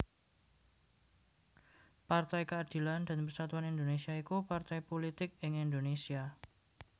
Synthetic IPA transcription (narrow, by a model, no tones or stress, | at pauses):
part̪ajkəad̪̥i̤land̪̥a̤npərsat̪uanind̪onesiaikupart̪ajpolit̪ɪk̚ɪŋind̪onesia